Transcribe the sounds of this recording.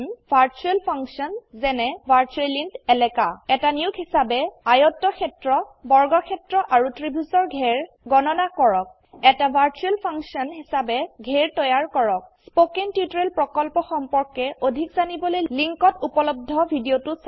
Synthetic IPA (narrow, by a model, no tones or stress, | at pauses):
nbʱaɹt͡ʃuɛlpʰaŋsɔnzɛnɛbʱaɹt͡ʃuelintɛlɛkaɛtaniukɦisabɛajɔtːɔkʰɛtɹɔbɔɹɡɔkʰɛtɹɔʔaɹutɹibʱuzɔɹɡʱɛɹ | ɡɔnɔnakɔɹɔk̚ | ɛtabʱaɹt͡ʃuɛlpʰaŋksiɔnɦisabɛɡʱɛɹtɔjaɹkɔɹɔk̚spokentjutɔɹelpɹɔkɔlpɔxɔmpɔɹkɛodʱikzanibɔlojliŋkɔtupɔlɔb̚dʱɔbʱidiotʊs